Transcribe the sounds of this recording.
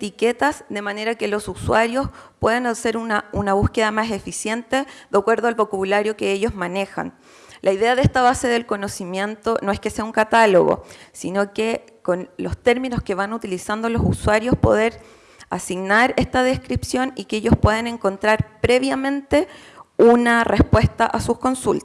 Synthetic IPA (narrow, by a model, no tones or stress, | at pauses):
et̪ike̞t̪asðe̞mane̞ɾake̞lo̞suswaɾjo̞spwe̞ðanase̞ɾunaunaβ̞uske̞ðamase̞fisje̞nt̪e̞ðakweɾðoalβo̞kaβulaɾjo̞keeʝo̞zmane̞xa̰n | lʔaiðe̞aðehst̪aβase̞ðe̞lko̞no̞simje̞nt̪o̞noe̞hke̞se̞auŋkat̪alo̰ɣo̰sino̞ke | ko̞nlo̞st̪e̞ɾmino̞ske̞βanut̪ilisand̪olo̞suswaɾjo̞spo̞̰ðe̞ɾ | asiɣnaɾe̞st̪aðe̞skɾipsjo̞nikeeʝo̞spwe̞ð̞ene̞ŋko̞nt̪ɾaɾpɾe̞βjamẽ̞nt̪e̞ | unare̞spwe̞st̪aʔasuko̞nsult̪